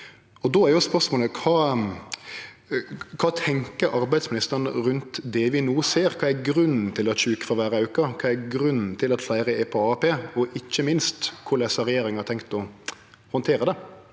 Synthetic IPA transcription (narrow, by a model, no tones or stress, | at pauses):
ɔd̪ɔæɾjʊspœʂmoːləkʰɑː | kʰɑːt̪ʰɛŋkəɾɑɾbæɪsmɪnɪst̪əɾnəɾʉnt̪d̪ɛʋɪnuːseːɾkʰɑːæɾɡɾʉnn̩t̪ʰɪlɔt͡ʃʉːkə̥fɔɾʋæːɾəʉːkɑkʰɑːæɾɡɾʉnːn̩t̪ʰɪlɑt̪flæɪɾəɛpʰɔɑːpeːɔʔɪçːəmɪnst̪kʰʊɾlɛsɑɾɛjeːɾɪŋɑɾt̪ʰɛŋkt̪ɔ | hɔnt̪ʰeːɾəd̪ɛ